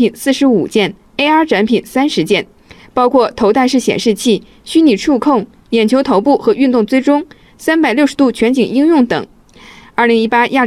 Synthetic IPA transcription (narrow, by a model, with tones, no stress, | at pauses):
pi˨˩nsɹ̩˥˩ʂɻ̩˧˥ṵ˨˩t͡ɕjɛ˥˩n | e˥ɪa˞˥ʈ͡ʂʰa˧˥npʰi˨˩nsa˥nʂɻ̩˧˥t͡ɕjɛ˥˩n | pɑ˥ʊkʰwɔ˥˩t̪ʰo˧˥ʊt̪a˥˧ɪʂɻ̩˥˩ɕjɛ̰˨˩nʂɻ̩˥˧t͡ɕʰi˥˩ | ɕy˥ni˨˩ʈ͡ʂʰu˥˧kʰʊ˥˩ŋ | jɛ˨˩nt͡ɕʰjo˧˥ʊt̪ʰo˧˥ʊp̬u˥˩xɤ˧˥y˥˧nt̪ʊ˥˩ŋt͡swe˥ɪʈ͡ʂʊ˥ŋ | sa˥np̬a˨˩ɪljo˥˩ʊʂɻt̪u˥˩t͡ɕʰɥɛ˧˥nt͡ɕi˨˩ŋi˥ŋjʊ˥˩ŋt̪ɤ̰˨˩˦ŋ | ə˞˥˩li˧˥ŋi˥pa˥jʔa˥˩